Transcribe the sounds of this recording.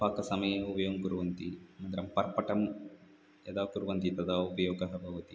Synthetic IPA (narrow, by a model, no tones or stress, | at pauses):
paːkɐsɐmɐjɐupɐjoŋkuɾuʋɐnt̪imɐnd̪ɐɾɐmpɐɾpɐʈɐm | ɛd̪aːkuɾuʋɐnt̪it̪ɐd̪aːupɐjɔːɡɐɦɐbʱɐʋɐt̪i